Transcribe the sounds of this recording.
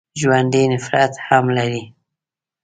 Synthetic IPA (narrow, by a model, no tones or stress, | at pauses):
ʒwand̪inɪfɾat̪hamlaɾi